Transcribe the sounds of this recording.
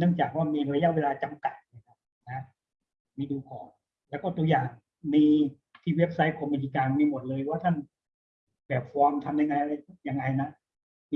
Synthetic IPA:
nɯ˥˩əŋt͡ɕaː˨˩k̚waː˥˩miː˧a˧ja˧˥ʔweː˧laː˧t͡ɕa˧mka˨˩t̪̚nː˧˥˩kʰa˦˥p̚ | na˧˦ | miː˧duː˧kɔ̰ː˨˩n | lɛː˦˥kɔː˥˩t̪u˧jaː˨˩ŋ | miː˧ | t̪ʰiː˥˩we˦˥p̚sa˦˥jkʰo˧mːi˧t̪ʰiː˧kaː˧nmiː˧mo˨˩t̪̚lɤː˧jwaː˥˩t̪ʰa˥˩n | bɛː˨˩p̚fɔː˧˥mt̪ʰa˧mja˧ŋːa˧ja˧˥˩ja˧ŋːa˧jna˦˥ʔ | m˧

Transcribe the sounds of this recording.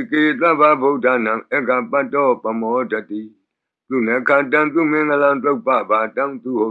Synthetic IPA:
ke˨jt̪a˦˨ba˦bo˦˨da˦˨nã˨ŋɛ˦ɡa˨pa˦˨tɔ˦pa˨mɔ˨˦da˨ti˨ | t̪u˦˨nɛ˨˦kʰã˨tã˦t̪u˦˨mɪ̃˦ŋə˦lã˦nt̪o˦˨pa˦˨ba˨tã˦t̪u˨ho˦˨

